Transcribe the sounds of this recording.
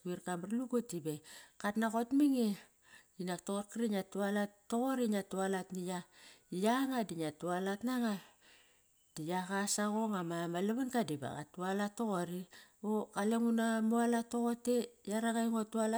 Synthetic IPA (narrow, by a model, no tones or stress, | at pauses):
uiɾkamɾluɡotibekatnako̞tmiŋe | inak̚tokokiɾiɲatualatːoɣoɾiɲatualatnijaijaŋadiɲatualatnaŋa | d̥ijakasaɣoŋamamaleβankadiba̰ɡa̰tualatoɣoɾiokaleŋunamoalatoɣotejaɾaɡajŋotuala